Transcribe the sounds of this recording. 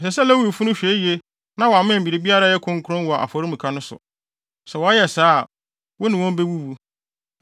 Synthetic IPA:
sɛ˨sɛ˦lɛ˦wu˦˨fu˦nʊ̃˦ɕᶣɛ˨˦ji˨e˦ | nã˦wɔ˨a˨mɪ̃˦˨m̩˨bi˨ɾe˨bi˦a˦ɾa˦jɛ˦kʰʊ̃˦ŋ˦kʰʊ˦ɾɔ̃˦nwɔ˨a˨ʔa̰˨fɔ˨ɾi˦m̩ũ˨kʰa˦nʊ̃˦sʊ̰˨ | sɛ˨wɔ˨a˦jɛ˨saː˦˨ | wʊ˦nɪ̃˨wɔ̃˦m˦be˦wu˦wu˦

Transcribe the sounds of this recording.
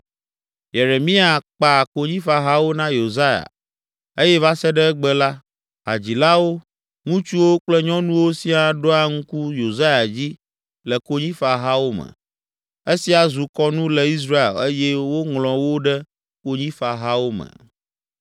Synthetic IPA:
je˨ɾe˨mĩ˦a˨k͡pa˨ko˦ɲĩ˦fa˨ɦa˦wo˦nã˦jo˨za˦ja̰˨ | e˦jɛ˦va˦sɛ˦ɖɛ˦ɛ˦ɡ͡bɛ˦la˦ | ɦa̰˨d͡ʑi˨la˦wo˦ | ŋũ˦t͡ʃu˦wo˦k͡plɛ˦ɲɔ̃˦nũ˦wo˦si˦a˨ɖo˦a˦ŋũ˦ku˦jo˨za˦ja˨d͡ʑi˦ | lɛ˨ko˦ɲĩ˦fa˨ɦa˦wo˦mə̰̃˨ | e˦si˦a˨zu˨kɔ˦nũ˦lɛ˨i˦s̬ɾa˦ḛ˨le˦jɛ˦wo˦ŋlɔ̃˨wo˦ɖɛ˦ | ko˦ɲĩ˦fa˨ɦa˦wo˦mə̰˨

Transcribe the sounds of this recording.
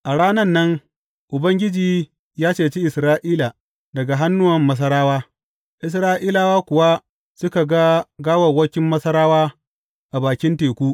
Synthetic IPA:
ʔa˨ɽaː˦nɐ˦nːɐ˦ŋ | ʔʊ˨bɐ˦ŋɡʲɪ˦d͡ʒiː˨ | jaː˦t͡ʃeː˨t͡ʃi˦ʔɪ˨sɾaː˦ʔiː˦la˨ | dɐ˨ɡa˨ɦa˦nːʊ˦wɐ˨mːɐ˦s̬ɐ˦ɾaː˦waː˦ | ʔɪ˨s̬ɾaː˦ʔiː˦la˨waː˦kʷʊ˨wa˦ | sʊ˦ka˨ɡa˦ɡaː˦wɐ˨wɐ˦kʲɪ˦mːɐ˦sɐ˦ɾaː˦waː˦ | ʔa˨baː˨kʲɪ˦nteː˨kʷuː˦

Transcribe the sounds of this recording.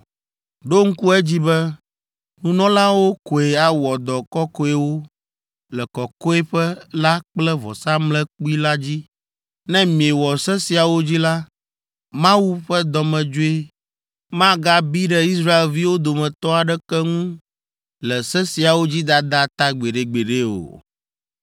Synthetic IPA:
ɖo˦ŋ̩˦ku˦ɛ˦d͡ʑi˦bɛ˦ | nũ˨nɔ̃˦la˦wo˦ko˨e˨a˨wɔ˨d̪ɔ˨kɔ˦kɔ˦e˦wo˦ | lɛ˨kɔ˨kɔ˦e˦ɸɛ˦la˦k͡plɛ˦vɔ̰˨sa˦mlɛ̃˦k͡pu˦i˦la˦d͡ʑi˦ | nɛ̃˦mĩ˨e˨wɔ˨sɛ˦si˨a˨wo˦d͡ʑi˦la˦ | mã˦wu˦ɸɛ˦d̪ɔ˨mɛ̃˨d͡ʒo˦e˦ | mã˦ɡa˦bi˦ɖɛ˦i˦sɾa˦e˨lvi˦wo˦d̪o˨mɛ̃˨t̪ɔ˦a˨ɖɛ˦kɛ˦ŋũ˦ | lɛ˨sɛ˦si˨a˨wo˦d͡ʑi˦d̪a˦d̪a˦t̪a˦ɡ͡be˨ɖe˨ɡ͡be˨ɖe˦o̰˨

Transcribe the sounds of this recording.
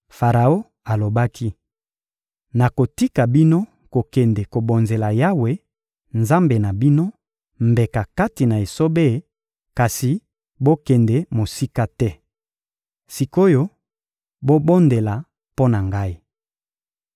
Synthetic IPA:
fa˨ʁa˨o˦ | a˨lo˨ba˦kʰi˦ | na˨ko˨ti˦ka˨bi˦no˦ | ko˨kɛ˨nde˨ko˨bo˨nze˨la˨ja˦we˨ | nza˦mbe˨na˨bi˦no˦ | mbe˨ka˨ka˦ti˨na˨e˨so˦be˦˨ | ka˨si˨ | bo˦kɛ˨nde˨mo˨si˦ka˦tɛ˦ | si˨ko˦jo˦ | bo˦bo˦nde˨la˨ | po˦na˨ŋɡa˦i˦

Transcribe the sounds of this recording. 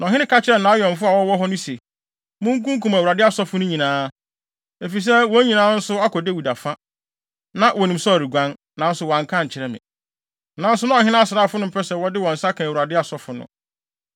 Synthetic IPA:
nã˨ɦɪ̃˦nɪ̃˦kʰa˦t͡ɕʰɪ˨ɾɛ˨nã˨˦jɛ̃˨m˨fʊ˦a˨wɔ˦wɔ˦ɦɔ˦nʊ̃˦se˨ | mʊ̃˦ŋ̩˦kũ˦ŋ˦kũ˦mæ˨u˨ɾa˨dɪ˦a˦sɔ˦fʊ˨˦nʊ̃˦ɲĩ˨nãː˦ | e˨fi˨s̬ɛ˦wɔ˨˦ɲĩ˨nãː˦n̩˦sʊ˦a˦kʰɔ˨de˦wi˨da˨fã˦ | nã˦wɔ˨nĩ˨msɔ˦a˨ɾi˨ɡʷã˦n | nã˨˦n̩˦sʊ˨wã˨ŋ˨kʰã˦ɲ̩˨t͡ɕʰɪ˨ɾɛ˦mɪ̰̃˨ | nã˨˦n̩˦sʊ˦nã˦ɔ˨hɪ˦nã˦sʊ˨ɾaː˦˨fʊ˦nʊ̃˦pʰɛ˦sɛ˨wɔ˦dɪ˦wɔ̃˨n̩˨sa˦kʰã˨wu˨ɾa˨dɪ˦a˨sɔ˦fʊ˨nʊ̰̃˨

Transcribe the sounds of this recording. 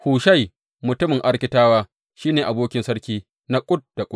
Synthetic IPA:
huː˨ʃa˦˨j | mʊ˨tʊ˦mɪ˨ŋʔa˦ɽkʲɪ˨˦taː˦waː˦ | ʃiː˦neː˨ʔa˨boː˦kʲɪ˦nsɐ˦ɽkʲiː˦ | na˦kʷʼʊ˦t̚d̥a˨kʷʼʊ˦

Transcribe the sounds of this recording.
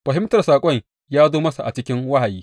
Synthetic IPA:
ɸɐ˨ɦɪ˦mtɐ˨rsaː˨kʷʼɔ˦˨ɲ | jaː˦zoː˦mɐ˦sa˨ʔa˨t͡ʃɪ˦kʲɪ˦ŋwa˦ha˨jiː˦

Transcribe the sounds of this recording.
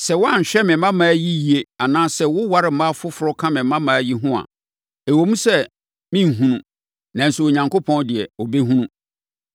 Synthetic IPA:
sɛ˨wʊ˦a˦ɲ̩˨ɕᶣɛ˦mɪ̃˨˦mã˦mãː˨˦ji˦ji˨e˦a˨nãː˦sɛ˦wʊ˦wa˨ɾɪ˨m̩˨˦mã˦fʊ˦fʊ˨ɾɔ˦kʰã˦mɪ̃˨mã˦mãː˨˦ji˦ɦʊ̃˦a̰˨ | e˨wo˨mũ˦sɛ˦ | mɪ̃˦n̩˨ɦũ˦nũ˨ | nã˨n̩˨sʊ˨o˨ɲã˨ŋkʰo˦pʰɔ̃˦ndɪ˨ɛ˨ɔ˨be˦ɦũ˦nũ˦

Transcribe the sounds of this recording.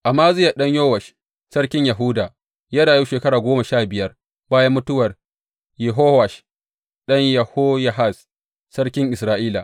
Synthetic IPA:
ʔa˨maː˦zɪ˦ja˨ɗɐ˦ɲjoː˦wɐ˨ʃ | sɐ˦rkʲɪ˦ɲjɐ˨ɦuː˦daː˨ | jaː˦ɽaː˨juː˦ʃeː˨kɐ˦ɽaː˨ɡʷoː˦mɐ˨ʃaː˦˨bɪ˨jɐ˦r | baː˦jɐ˦mːʊ˦tʊ˦wɐ˨r | jɪ˨ɦoː˦wa˨ʃ | ɗɐ˦ɲjɐ˨hoː˦ja˦˨ɦa˦˨s | sɐ˦rkʲɪ˦ŋʔɪ˨sɾaː˦ʔiː˦la̰˨

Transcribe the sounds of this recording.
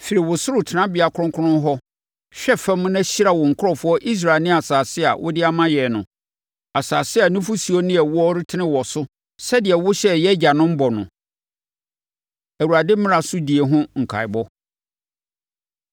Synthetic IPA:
fi˨ɾi˨wʊ˨sʊ˦ɾʊ˨tʰɪ˨nã˦bɪ˨a˨kʰʊ̃˦ŋkʰʊ˦nʊ̃˦n˦ɦɔ˦ | ɕᶣɛ˦fɛ̃˦mʊ̃˦nã˦ɕi˦ɾa˨wɔ˨ŋ̩˨kʰʊ˦ɾɔ˨fʊ˦ɔ˦ʔi˦s̬ɾa˨ɪ˨nɪ̃˦a˨saː˨sɪ˦a̰˨wʔʊ̰˦dɪ˦a˦mã˦jɛ˨nʊ̃˨ | a˨saː˨sɪ˦a˨nʊ̃˦fʊ˦si˨o˦nɪ̃˦ɛ˨wʊ˦ɔ˦ɾɪ˦tʰɪ˦nɪ̃˦wɔ˨sʊ˦ | sɛ˦dɪ˨ɛ˨wʊ˦ɕɛ˦˨jɛ˦d͡ʑa˨nʊ̃˦m̩˦bɔ˨nʊ̰̃˨ | æ˨wu˨ɾa˨dɪ˦m̩˦mɪ̃˦ɾã˨sʊ˦di˨e˨ɦʊ̃˦ŋ̩˨kʰa̰˨ɪ˨bɔ˦

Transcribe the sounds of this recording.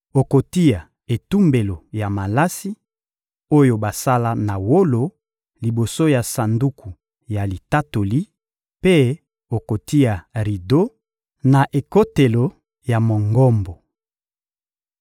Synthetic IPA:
o˨ko˨ti˦ja˨ | e˨tu˦mbe˨lo˨ja˨ma˨la˦si˦ | o˦jo˨ba˨sa˦la˦na˨wo˦lo˨ | li˨bo˨so˦ja˨sa˨ndu˦kʰu˨ | ja˨li˨ta˦to˨li˦ | pe˦ | o˨ko˨ti˦ja˨ʁi˨do˦ | na˨ʔe˨ko˦te˨lo˨ | ja˨mo˨ŋɡɔ˦mbo˨

